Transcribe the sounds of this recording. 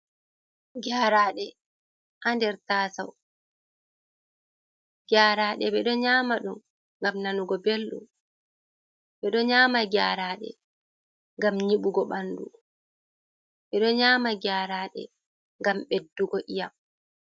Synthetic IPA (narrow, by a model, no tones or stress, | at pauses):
ɡaɾaːɗɛ | ʔandɛɾtaːsaw | ɡaːɾaːɗɛɓɛɗɔɲaːmaɗum | ŋɡamnanuɡɔbelɗṵm | ɓɛɗɔɲaːmaɡaːɾaɗɛ̰ | ŋɡamɲiɓuɡɔɓandṵ | ɓɛɗɔɲaːmaɡaɾaːɗɛ̰ | ŋɡamɓedːuɡɔʔijam